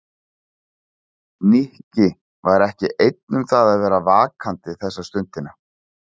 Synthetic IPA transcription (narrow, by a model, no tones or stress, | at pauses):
nihcɪ | vaɾɛhcɪʔejt̪̚nʏmθaðaðvɛːɾavaːkʰant̪ɪθɛsːast̪ʏnt̪ɪna